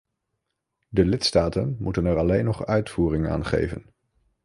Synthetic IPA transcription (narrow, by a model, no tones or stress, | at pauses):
dəlɪtstaːtənmutənɛɹɑlejnːɔχœɥtfuːrɪŋa̰ːnχḛjvə̰n